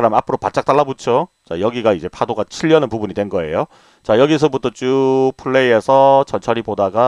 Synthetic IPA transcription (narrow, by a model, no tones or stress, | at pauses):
ɾamapʰɯɾopat̚t͡ɕ͈ak̚t͈aɭːabot͡ɕʰot͡ɕa̰jʌɡiɡaid͡ʑe̞pʰadoɡat͡ɕʰiʎːʌnɯnpubunɲidwenɡʌe̞̰jo | t͡ɕajʌɡis̬ʰʌbutʰʌt͡ɕupʰɯɭːeiesʰʌt͡ɕʌnt͡ɕʰʌɾibodaɡa